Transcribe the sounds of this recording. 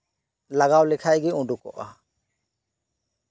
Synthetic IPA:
laɡawlɛkʰajɡiũɖukɔ̰ʔa̰

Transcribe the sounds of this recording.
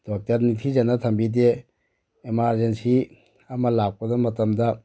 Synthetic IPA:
d̥ɔk̚tɐɾnitʰizanatʰɐmbideː | maɾzensi | ɐmɐlak̚pɐdɔmɐtɐmda

